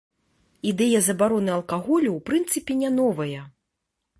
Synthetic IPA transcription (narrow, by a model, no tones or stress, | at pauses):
id̪ɛjɐzɐbaɾɔnɨɐlˠkaɣɔlʲuwpɾɨnt̪sɨpʲinʲɛnɔvɐjɐ